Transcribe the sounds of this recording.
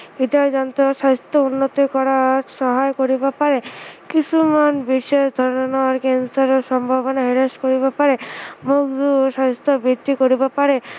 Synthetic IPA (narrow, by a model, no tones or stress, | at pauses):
id̪ad͡ʒant̪ɔsɔst̪ɔunːɔt̪ikɔɾaʃɔɦajkoɾibapaɾekisʰumanbiʃeʃd̪ʱɔɾɔɔnaɾkensɔɾɔsɔmbʱabɔnaɦiɾeskoɾibapaɾemukd̪uʃɔist̪ʰɔbid̪ikoɾibapaɾe